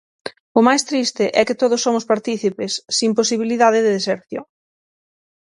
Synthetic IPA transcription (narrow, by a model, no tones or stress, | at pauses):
ʊmajst̪ɾist̪ɪʔɛkɪt̪oðʊsːomʊspaɾt̪iθipesːimposiβiliðaðɪðɪðeseɾθjo̰ŋ